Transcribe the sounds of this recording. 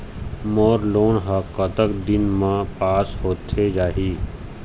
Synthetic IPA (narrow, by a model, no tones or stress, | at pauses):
mɔːɾloːnɦakːət̪əkd̪ɪnmãpaːshoːt̪ʰːed͡ʒaːɦiː